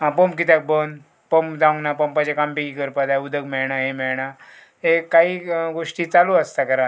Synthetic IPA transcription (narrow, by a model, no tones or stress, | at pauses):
ɦãpomk̬it̪̬ak̚bən | pomd͡zãnapəmpat͡ɕekampikikəɾpad̪ajud̪ʱəkmɛɭɳaɦemɛɭɳa | ɦekaɦiːɡoʂʈiːt͡saluəst̪akəɾa